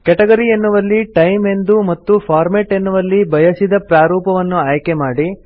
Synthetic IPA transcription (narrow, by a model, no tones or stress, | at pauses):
kɛʈɐɡɐɾienːuʋɐlːiʈɐjme̞nd̪umɐt̪ːupʰaːɾmeʈe̞nːuʋɐlːibʱɐjɐsid̪ɐpɾaːɾuːpɐʋɐnːuaːjkemaːɽi